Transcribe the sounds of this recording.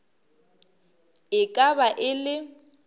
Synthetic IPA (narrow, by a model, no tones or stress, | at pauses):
ɪkʼabaʔɪlɪ